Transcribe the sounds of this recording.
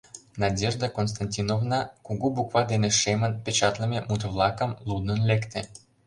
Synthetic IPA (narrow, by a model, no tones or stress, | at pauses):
nɑdʲeʒd̪əkons̬t̪ɑnʲtʲinovnɑkuɣubukvɑd̪eneʃemənpʲet͡ɕɑt̪lə̆mʲemut̪əvlˠɑkə̆mlˠud̪nənlekt̪ĕ